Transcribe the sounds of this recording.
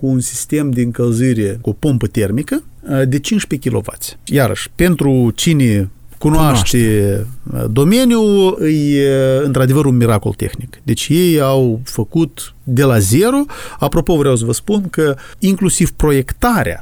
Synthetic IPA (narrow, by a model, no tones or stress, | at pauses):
kuːnsi̥st̪e̞md̪eɨŋkəlzɨɾekuopompət̪e̞rmikəd̪e̞t͡ʃint͡ʃʃpekʲilo̞̰va̰t̪sʲjaɾə̰ʃʲpe̞nt̪ɾut͡ʃinekunoaʃt̪ḛ | d̪o̞me̞nʲjuɨjɨnt̪ɾad̪e̞vəɾunmiɾako̞̰lt̪e̞̰xnikd̪e̞t͡ʃʲje̞jawfəkut̪d̪e̞laze̞ɾo̞apɾo̞po̞vɾeaws̬əvəspunkəiŋklusiv̥pɾo̞je̞kt̪aɾḛa̰